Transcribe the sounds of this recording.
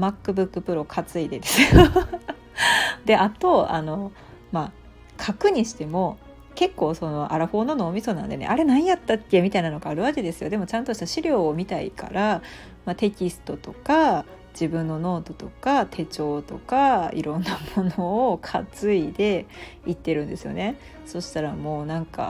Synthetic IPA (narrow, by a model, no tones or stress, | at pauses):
makːɯ̟bɯ̟kːɯ̟pɯ̟ɾo̞kʰat͡sɨid̪e̞d̪e̞sɨjo | d̪e̞ʔat̪o̞a̰no̞ | ma | kʰakɯ̟ɲ̟iɕi̥t̪e̞mo̞ | ke̞kːo̞ːso̞no̞ʔaɾaɸo̞ːno̞ːnoːmʲiso̞ːnãnd̪e̞neʔaɾe̞nãijat̪ːatːamʲit̪ainano̞ɡaːɾɯ̟βaʑid̪e̞sɨjo̞d̪e̞mo̞t͡ɕãnt̪o̞ɕi̥t̪aɕiɾʲo̞ːmʲit̪aḭkʰa̰ɾa | mat̪e̞kʲisɨ̥t̪o̞t̪o̞ka | d͡ʑibɯ̟̃nːo̞no̞ːd̪o̞t̪o̞kat̪ʰe̞t͡ɕo̞ːt̪o̞kaḭɾõ̞nːamo̞noːkʰat͡sɨid̪e̞it̪ːe̞ɾɯ̟̃nd̪e̞sɨjo̞̰ne̞ | so̞ɕi̥t̪aɾamo̞ːnãŋka̰